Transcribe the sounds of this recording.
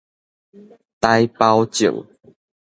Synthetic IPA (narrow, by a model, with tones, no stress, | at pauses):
t̪a˦jpa˦wt͡ɕo̰˨˩w